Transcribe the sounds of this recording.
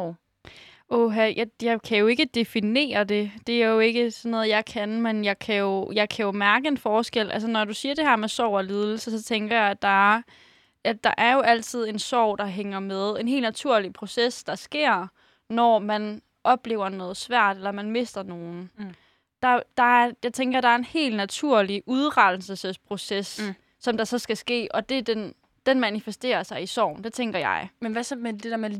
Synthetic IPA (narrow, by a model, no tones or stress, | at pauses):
oɦæjɑjɑ̈ɪkʰæjo̝e̝ɡ̥əd̥e̝fine̝̰ːɐd̥e̝d̥e̝æɐjo̝e̝ɡ̥əsɒnːɔ̽ːð̩ˠjɑ̈ɪkʰænmenjɑ̈ɪkʰæjo̝jɑ̈ɪkʰæjo̝mæɐɡ̥əe̝nfɒːsɡ̥el̰ʔæls̬ənɒd̥usiːɐd̥e̝ɦæɐmesɒʊ̰ɒlið̞ˠl̩səsɒ̽t͡sʰeŋɡ̥ɐjɑ̈ɪd̥ɑ̈æɐ | æd̥ɑ̈ʔæɐjo̝ʔæl̰t͡sʰið̞̰ˠe̝nsɒʊ̰d̥ɑ̈ɦeŋɐmeð̞ˠe̝nɦe̝̰ːlnæt͡sʰuɐ̰lipʰʁo̝sesd̥ɑ̈sɡ̥e̝̰ɐ̰ | nɒmæn | ʔɒ̽b̥le̝ːʊɐnɔ̽ːð̩ˠsʋæɐ̰d̥elɐmænme̝sd̥ɐno̝ːn̩ | d̥ɑ̈d̥ɑ̈æjɑ̈ɪt͡sʰeŋɡ̥ɐd̥ɑ̈æɐe̝nhe̝̰ːldnæt͡sʰuɐ̰liʔuð̞ˠʁɑl̥l̩səsəspʰʁo̝sesː | ɒ̽md̥ɑ̈sɒ̽sɡ̥æsɡ̥e̝̰ːʔɒ̽d̥e̝d̥en | d̥enmænifesd̥e̝̰ːɐsɑ̈ɪisɒ̰ʊ̰n̩d̥e̝t͡sʰeŋɡ̥ɐjɑ̈ɪmenʋæsmed̥ed̥æmæ